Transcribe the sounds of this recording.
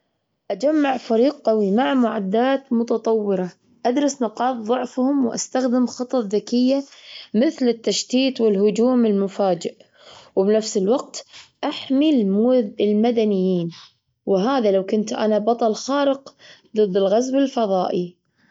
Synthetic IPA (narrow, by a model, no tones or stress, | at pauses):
ʔad͡ʒamːaʕfaɾiːqqawimaʕmʊʕad̪ːaːt̪mʊt̪ɑt̪ˤɑwːɪɾɑ | ʔad̪ɾˤɑsnɑqɑːt̪ˤðˤʊʕfhʊmwʔa̰st̪axd̪ɪmxɨt̪ˤɑðakɪjːamɪθlɪt̪ːaʃt̪iːt̪ˤwɪlɦʊd͡ʒuːmɪlmʊfaːd͡ʒɪʔ | wɪbnafsɪlwaq̚t̪ʔaħmilɪlmad̪anɪjːiːn | wɪɦaːðalawkʊnt̪ʔa̰nabɑt̪ˤɑlxɑːɾɪqðˤɨd̪ːɪlɣazwɪlfɑðˤɑːʔi